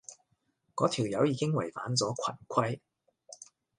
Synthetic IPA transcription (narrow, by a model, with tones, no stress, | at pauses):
kɔː˨˥t̪ʰiː˨˩wjɐ˨˥wjiː˨˧kɪ˥ŋwɐ˨˩jfa̰ː˨˥nt͡sɔː˨˥kʷʰɐ̰˨˩nkʷʰɐ˥j